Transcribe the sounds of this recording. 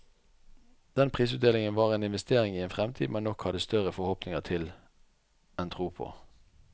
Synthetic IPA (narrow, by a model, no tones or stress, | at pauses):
d̪̥ɛnpʰʁiːsʉːt̪̚d̪eːlɪŋənʋɑːʁeːnɪnʋɛst̪eːʁɪŋiːeːnfʁɛmt̪ʰiːd̪mɛnːɔkhɑd̪əst̪œʁəfɔhɔpnɪŋəʁt̪ʰɪl | ɛnt̪ʰʁuːpʰo̰ː